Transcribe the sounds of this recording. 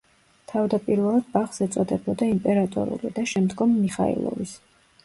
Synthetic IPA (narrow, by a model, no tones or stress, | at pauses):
t̪ʰavd̪apʼiɾvɛlˠad̪̥̚baχsɛt̪sʼɔd̪ɛbɔd̪aimpʼɛɾat̪ʼɔ̰ɾṵlid̪aʃɛmd̪ɡɔmːiχa̰ḭlˠɔ̰vis